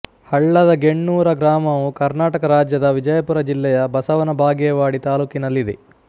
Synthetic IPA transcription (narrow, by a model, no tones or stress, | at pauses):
hɐɭːɐd̪ɐɡeɳːuːɾɐɡɾaːmɐʋukɐɾnaːʈɐkɐɾaːd͡ʒjɐd̪ɐʋid͡ʒɐjɐpuɾɐd͡ʒilːɛjɐbɐsɐʋɐnɐbʱaːɡjɛʋaːɽit̪aːluːkinɐlːid̪e